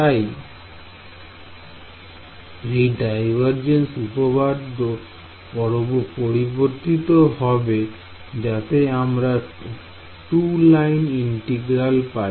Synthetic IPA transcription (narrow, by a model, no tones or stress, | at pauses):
t̪aj | ejɖajbʱaɾd͡ʑensupobad̪ʱo | bɔɾobopoɾiboɾt̪it̪oɦɔbe | d͡ʑat̪eamɾa | ʈulajniɳʈeɡɾalpa